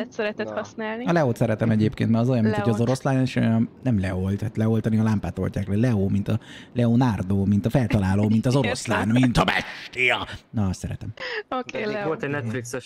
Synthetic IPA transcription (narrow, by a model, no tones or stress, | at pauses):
ɛt̪sɛɾɛt̪ɛt̪hɒsnaːlniɒlɛoːt̪sɛɾɛt̪ɛmɛɟeːp̚kḛnt̪mɛɒzo̞jɒmːinʰoɟɒzo̞ɾo̞slaːneʃojɒmnɛmlɛo̞lt̪hat̪lɛo̞lt̪ɒniɒlampaːt̪o̞̰lʲcaːklɛlɛoːmint̪ɒlɛoːnaːrd̪oːmint̪ɒfɛlt̪ɒlaːloːmint̪ɒzo̞ɾo̞slaːnmint̪ɒbɛ̰ʃt̪ijɒnɒst̪sɛɾɛ̰t̪ɛmokːolt̪ɛnɛt̪fliksɛʃ